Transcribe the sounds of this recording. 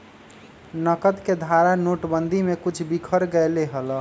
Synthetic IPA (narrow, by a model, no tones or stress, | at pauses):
nəkət̪ked̪ʱaɾanoʈbənd̪ʱimekut͡ʃʰbikʰəɾɡəleɦəl